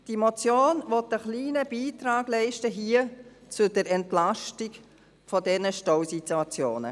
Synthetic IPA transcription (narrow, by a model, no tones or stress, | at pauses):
d̥imot͡sjoːnvɔtəχliːnəbiːtɾaːɡlɛɪʃtəɦiːət͡sʊdəɾɛntlaʃtiɡ | fɔdɛnəʃtɔwsituat͡sjoːnə̰